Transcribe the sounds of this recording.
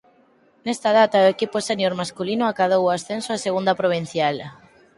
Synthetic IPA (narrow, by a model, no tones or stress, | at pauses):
nest̪að̞at̪aoekiposenjoɾmaskulinoakaðowasθensoaseɣund̪apɾoβ̞in̟θjal